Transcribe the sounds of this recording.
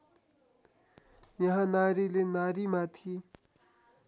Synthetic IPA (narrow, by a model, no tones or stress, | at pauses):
jãɦãnarilenarimat̪ʰi